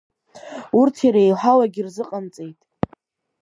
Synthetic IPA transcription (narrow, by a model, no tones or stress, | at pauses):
urtʰjaɾaejħʷalaɡʲirzɨqʼant͡sʼejtʼ